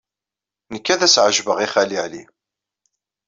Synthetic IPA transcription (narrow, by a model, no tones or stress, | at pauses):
nəkːæðæsʕəʒvəʁiχæliʕli